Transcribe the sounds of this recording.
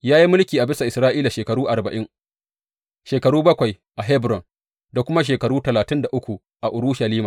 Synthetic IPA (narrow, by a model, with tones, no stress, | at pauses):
jaː˦ji˦mʊ˦lkʲiː˨ʔa˨bɪ˦sa˨ʔɪ˨sɾaː˦ʔiː˦la˨ʃeː˨kɐ˨ɾuː˦ʔa˨rbɐ˨ʔɪ˦ŋ | ʃeː˨kɐ˨ɾuː˦bɐ˦kʷa˨j | ʔa˨ɦɛ˦bɾɔ˨n | da˨kʷʊ˦ma˦ʃ̬eː˨kɐ˨ɾuː˦tɐ˨laː˨tɪ˦nda˨ʔʊ˦kʷu˨ | ʔa˨ʔʊ˨ɾuː˦ʃa˨liː˦ma˨